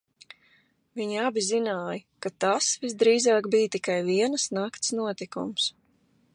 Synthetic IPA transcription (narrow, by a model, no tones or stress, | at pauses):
viɲiabʲizinaːjəkat̪asvisd̪ɾiːzaːkbijt̪ikajviɛnsnakt̪snuɔt̪ikṵms